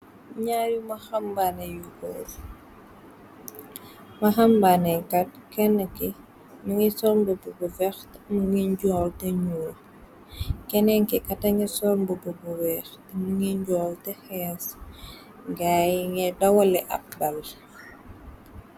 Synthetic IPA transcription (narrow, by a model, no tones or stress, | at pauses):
ɲaːjumɐxɐmbanɛjuɡɔ̰ːl | mɐxɐmbanɛkɐt̚kɛnːəki | mɐŋɛsɔɾmbəbubuvɛxtmuŋiɲɟɔːltɛɲuːl | kɛnɛŋkɛkɐtɐŋɛsɔɾmbəbubuwɛːxtɛmuŋiɲɟɔːltɛxɛːs | ɡaːjŋɛdɐwɐlɛʔɐ̰p̚bɐl